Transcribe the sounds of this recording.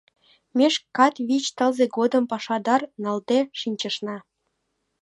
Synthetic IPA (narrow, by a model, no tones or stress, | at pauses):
mʲeʃkːɑt̪βit͡ɕt̪əlzeɡod̪əmpɑʃɑd̪ɑrnɑld̪eʃinʲt͡ɕə̆ʃnɑ